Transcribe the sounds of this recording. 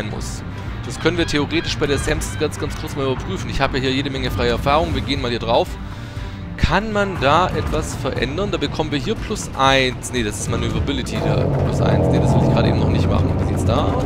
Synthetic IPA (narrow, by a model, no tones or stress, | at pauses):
ɪnmʊ̰s | d̥askʰœnənviːɐtʰeoʁeːtɪʃb̥aɪɾeːɐsɛmsɡ̥ant͡sɡ̥anskʰʊɐt͡smaːlybɐpʁ̥yːfn̩ɪçhaːbəjaːɦiːɐjeːɾəmɛŋəfʁaɪəɛɐfaːʁ̞ʊŋənviːɐɡeːənmaːlhiːɐdʁaʊf | kʰanmandaːʔɛtv̥asfɛɐʔɛ̰ndɐndaːbəkʰɔmənviːɐɦiːɐpʰlʊsʔaɪnsnəd̥asɪ̥stmanøvʁɐbɪlɪtʰidḛɐːplʊ̰sʔa̰ɪnsnedasv̥ɪlzɪçɡ̥ʁaːɾəʔḛːbm̩nɔχnɪçtma̰χn̩vizɪstd̥aː